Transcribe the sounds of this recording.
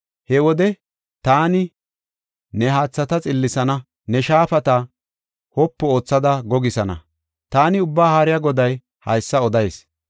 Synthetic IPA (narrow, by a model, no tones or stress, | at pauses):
hɛwɔd̪ɛ | t̪aːnɪ | nɛɦaːt͡sːɐt̪ɐt͡sʼɪlːɪsɐnɐ | nɛʃaːfɐt̪ɐ | hɔpːɔo̞ːt͡sːɐd̪ɐɡɔɡɪsɐnɐ̰ | t̪aːnɪʊbːaːhaːɾɪjaɡɔd̪ɐj | hɐ̰jsːɐɔd̪ɐjs